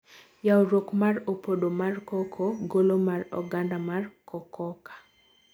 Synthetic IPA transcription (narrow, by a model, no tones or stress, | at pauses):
jaoɾokmaropodomarkɔkʰoɡolomarɔ̰ɡandamarkɔkɔkḁ